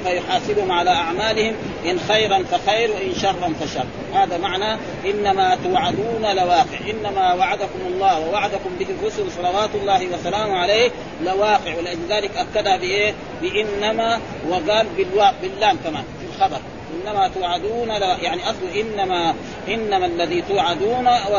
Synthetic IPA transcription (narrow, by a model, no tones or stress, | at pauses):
fajʊħaːsibuhumʕalaʔaʕmaːlɪhim | ʔɪnxajɾˤanfaxajɾwaʔɪnʃɑrˤːɑnfaʃɑrˤː | haːðamaʕna | ʔɪnːamat̪awʕad̪uːnalawɑːqɪʕʔɪnːamawaʕad̪akumɑlˤːɑːwawaʕad̪akumbɪhirˤːʊsulsˤɑlɑwaːt̪ulˤːɑːhiwasalaːmuʕalejː | lawaːqɪʕwɪliʔad͡ʒlðaːlikʔakːad̪habiʔeː | bɪʔɪnːama | waɡaːlbilwaːɡbilːaːmkamaːnfilxɑbɑɾˤ | ʔɪnːamat̪uʕad̪uːnalajaʕniʔɑsˤluʔɪnːama | ʔɪnːamalːaðit̪uːʕad̪uːna